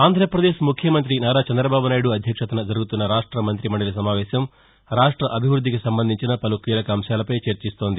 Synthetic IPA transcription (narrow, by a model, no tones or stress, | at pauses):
aːnd̪ʱɾɐpɾɐd̪eːʃmukʰjɐmɐnt̪ɾinaːɾaːt͡ʃɐnd̪ɾɐbaːbunaːjiɽuɐd̪ʱjɐkʂɐt̪ɐnɐd͡ʒɐɾuɡut̪unːɐɾaːʂʈɾɐmɐnt̪ɾimɐɳɖɐlɐs̬ɐmaːʋɛːʃɐm | ɾaːʂʈɾɐʔɐbʱiʋɾud̪ʱːikisɐmbɐnd̪ʱiɲt͡ʃinɐpɐlukiːlɐkɐːmʃaːlɐpɐjt͡ʃɐɾt͡ʃist̪o̞ːnd̪i